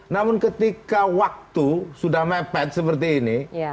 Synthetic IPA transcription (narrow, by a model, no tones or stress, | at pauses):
namʊnkət̪ikawak̚t̪usudahmɛpɛt̪̚səpərt̪̬iːni